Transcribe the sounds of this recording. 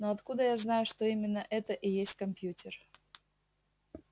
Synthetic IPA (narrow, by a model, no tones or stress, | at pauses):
noɐt̪kud̪əjaznajʊʂt̪oimʲɪnːəʔɛt̪əʔɪjesʲtʲkɐmpʲjutʲɪr